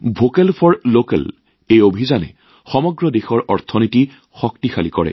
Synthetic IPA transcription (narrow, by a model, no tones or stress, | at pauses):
bʱokɛlpʰɔɹlokɛ̰l | ejobʱizanɛ̰ | xɔmɔɡɹɔdexɔɹʔɔɹt̪ʰɔniti | xɔktixalikɔɹɛ̰